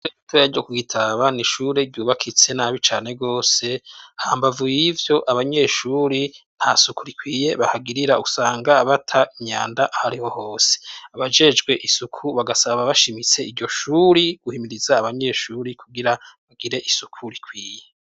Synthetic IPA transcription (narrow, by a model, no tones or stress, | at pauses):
zeitʰoɾaɾɟo̞kuɡitʰaβaniʃuɾe̞ɾɟuːβakʰit͡se̞naβit͡ʃaːne̞ɡo̞ːse̞haːmbavujivjo̞ʔaβaɲe̞ʃuɾin̥hasukuɾikwiːje̞βahaɡiɾiɾausaːŋɡaβatʰaʔiɲa̰ːndaʔahaɾiho̞ho̞ːse̥aβad͡ʒe̞d͡ʒɡwe̞ʔisukʰuβaɡasaβaβaʃimit͡se̞iɾɟo̞ʃuɾiɡ̥uhimiɾizaːβaɲe̞ʃuɾikʰuɡiɾaβaɡ̥iɾe̞ʔisukʰuɾikʰwiːje